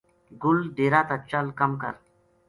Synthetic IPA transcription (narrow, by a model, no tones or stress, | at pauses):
ɡʊlɖeːɾat̪ɐt͡ʃːalkɐmkə̰ɾ